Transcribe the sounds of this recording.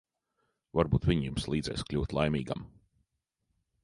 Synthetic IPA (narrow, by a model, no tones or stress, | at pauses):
vaɾbuːt̪vʲiɲjumslˠiːd̪zɛ̰jsklʲuːt̪lˠajmiːɡa̰m